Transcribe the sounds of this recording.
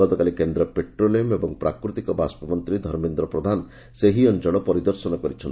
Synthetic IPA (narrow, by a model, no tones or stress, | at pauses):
ɔt̪ɔkalikend̪ɾɔpeʈɾoliemebɔŋpɾakɾut̪ikɔbaspɔmɔnt̪ɾid̪ʱɔɾmend̪ɾɔpɾɔd̪ʱan | seɦiɔnt͡ʃɔɭɔpɔɾid̪ɔɾsɔnɔkɔɾit͡ʃʰɔn